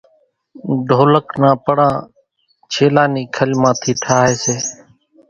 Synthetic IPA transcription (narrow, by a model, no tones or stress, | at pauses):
ɖʱoːləknãːpəɽãː | t͡ʃʰeːlaːniːkʰəlmãːt̪ʰiːt̪ʰaːɦeːseː